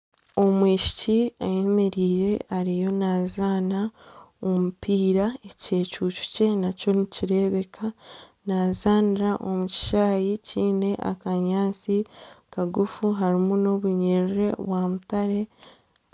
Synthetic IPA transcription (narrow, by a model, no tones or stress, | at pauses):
o̞mwiːʃi̥ciaje̞me̞ɾiːɾe̞aɾijo̞naːzaːnaomupiːɾae̞ce̞ːcuːcu̥ce̞naco̞niciɾe̞ːβe̞kʰanaːzaːniɾaʔo̞muci̥ʃaːjiciːne̞ʔa̰kaɲaːnt͡sikaɡufuɦaɾimuno̞βuɲeɾiɾe̞βwaːmutaɾe̞